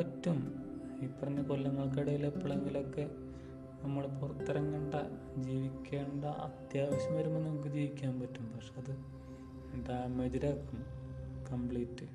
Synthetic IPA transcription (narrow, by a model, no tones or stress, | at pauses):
ɐtːum | ipːɐrɐnːekolːɐŋːɐɭk̬ɐɽɐjilepːɐɭeŋɡilo̞kːe̞ | nɐmːɐɭpurɐt̪ːɐɾɐŋkɐɳɖɐ | d͡ʑiːʋikʲːe̞ːɳɖɐʔɐ̰t̪jaːʋɐɕɐmʋɐɾumenːɐmuk̬ːɨd͡ʑiːʋikʲːaːnpɐtːumpɐkʂeɐðɨ | ɖaːmediɾakːumkɐmpɭiːtːɨ